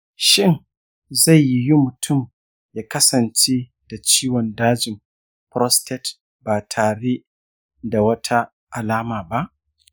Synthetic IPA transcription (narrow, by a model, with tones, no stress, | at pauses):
ʃɪ˦ŋ | za˦˨jːi˦ji˦mʊ˨tʰʊ˦˨m | jaː˦kɐ˦sɐ˨nt͡ʃe˦ | d̥a˨t͡ʃiː˦wɔ˨ndaː˦d͡ʒɪ˨m | pɾɔ˦stɛ˦t | baː˨tʰaː˨ɽe˦ | da˨wɐ˦tʰa˦ | ʔa˨laː˦maː˨ba˦ʔ